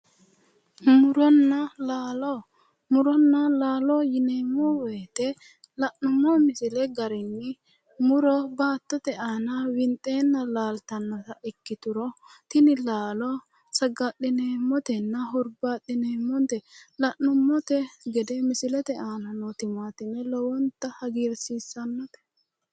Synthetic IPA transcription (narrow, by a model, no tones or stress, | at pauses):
mʊɾɔnːɐlaːlɔ | mʊɾɔnːɐlaːlɔjɪneːmːɔweːt̪ɛ | lɐʔːʊmːɔmɪsɪlɛɡɐɾɛnːɪ | mʊɾɔbaːt̪ːɔt̪ɛaːnɐwɪnt̪ʼeːnːɐlaːlt̪ɐnːɐsɐʔɪkːɪt̪ʊɾɔt̪ɪnɪlaːlɔ | sɐɡɐɗɪneːmːɔt̪ɛnːɐɦʊɾbaɗɪneːmːɔnt̪ɛlɐʔːʊmːɔt̪ɛɡɛd̪ɛmɪsɪlɛt̪ɛaːnɐnot̪ɪmaːt̪ɪnːɛlɔwɔnt̪ːɐhɐɡiːɾsiːsːɐnːɔt̪ɛ̥